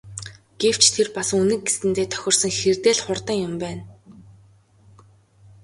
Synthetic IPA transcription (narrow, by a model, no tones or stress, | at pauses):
ɡ̥ew̥t͡ɕʰt̪ʰerpasunɘ̆k̚ɡesɘ̆nt̪eːt̪ʰœ̥xʲɪ̆r̥sə̆ŋxert̪eːɮχʊrt̪ə̆ŋjʊmpæːn